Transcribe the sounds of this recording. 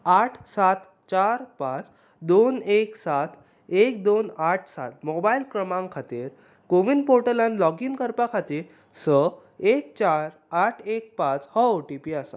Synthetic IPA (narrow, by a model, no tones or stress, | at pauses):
aʈʰsat̪ | t͡ɕaɾpãt͡s | d̪oneksat̪ʰ | ek̚d̪onaʈʰsa̰t̪̚mɔbailkɾəmãŋkʰat̪iɾ | koʋinpoɾʈəlanlɔɡiŋkəɾpakʰat̪iɾ | sə | ek̚t͡ɕaɾ | aʈʰek̚pãt͡shəwʈipiasa